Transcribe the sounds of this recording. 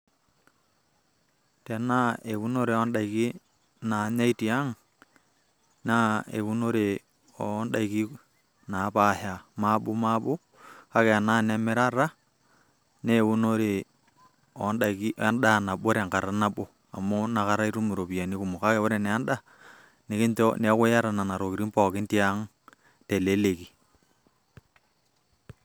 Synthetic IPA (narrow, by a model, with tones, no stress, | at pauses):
te˨na˦e˨βu˦no˦ɾe˨o˦nda˨i˨ki˦ | na˨ɲa˦i˦ti˨a˦ŋ | na˦ḛ˨βu˦no˦ɾe˨ | o˦nda˦i˨ki˦ | na˨˦pa˨ha˨ma˦bo˦ma˦bo˦ | ka˦ke˨a˨na˦ne˨me˦ɾa˦ɾa˦ | ne˦wu˦no˦ɾe˨ | ɔ˨˦nda˨ki˦ʔa˦nɗa˦˨na˨ɓo˦ɾe˨ŋka˨ɾa˨˦na˦bo˨ | a̰˨mo˦na˨ka˦ɾa˦i˦ɾu˦mu˨ɾo˨pi˨a˨ni˦ku˨mo˨ka˦kɛ˨o˦ɾe˨nɛ˨a˦nda˦ | ne˨kɪ˦ntɔ˦ne˨˦kʊ˦ja˦ɾa˨na˨na˨ɾo˨ki˨ɾi˦mpɔ˨kɪ˦nti˦a˦ŋ | te˨le˦le˨ki˨